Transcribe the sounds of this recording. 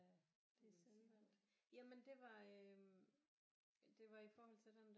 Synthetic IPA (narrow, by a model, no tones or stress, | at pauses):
d̥eselʋæn̰d̥jæmend̥e̝ʋɑ̈ø | d̥e̝ʋɑ̈ifɒːɦɒl̰t͡sʰe̝ld̥end̥